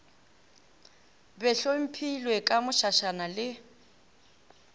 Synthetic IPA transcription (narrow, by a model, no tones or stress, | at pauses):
bɛɬom̩pʰilwɛkʼamʊʃaʃanalɪ